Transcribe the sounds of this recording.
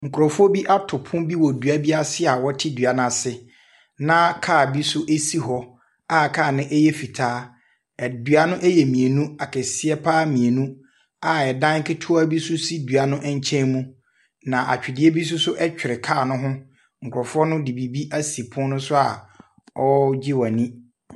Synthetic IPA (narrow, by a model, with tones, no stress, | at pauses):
ŋ̩˨kʰʊ˨ɾɔ˨fʊ˦ɔ˦bi˦ʔa˦tʰʊ˨pʰʊ̃˦bi˦wɔ˨du˨a˦bi˦a˦sɪ˦a˨wɔ˦tʰɪ˦dɥa˨n˦ã˨sɪ˨ | nã˦kʰaː˦˨bi˦sʊ˦ʔe˦si˦ɦɔ˦ | a˦kʰaː˦˨nɪ̃˦ʔɛ˦jɛ˦fi˨tʰaː˦ | ɛ˨dɥa˦nʊ̃˦ʔɛ˦jɛ˨mĩ˨e˨nũ˦a˨kʰɛ˨sɪ˦ɛ˦pʰaː˦mĩ˨e˨nũ˦ | a˨ɛ˨dã˦ŋ˦kʰɪ˦tʰʊ˦a˦bi˦sʊ˦si˦du˨a˨nʊ̃˦ʔɛ˦ɲ̩˦t͡ɕʰɛ̃˦mũ˦ | nã˨ʔa̰˨t͡ɕᶣɪ˨dɪ˦e˦bi˦s̬ʊ˦sʊ˦ʔɛ˦t͡ɕᶣɪ˨ɾɪ˨kʰaː˦˨nʊ̃˦ɦʊ̃˦ | ŋ̩˨kʷʰɔ˨fʊ˦ɔ˦nʊ̃˦di˨bi˨bi˦ʔa˦si˨pʰʊ̃˦nʊ̃˦sʊ˦a˨ | ɔ˦d͡ʑɪ˦wa˨nĩ˦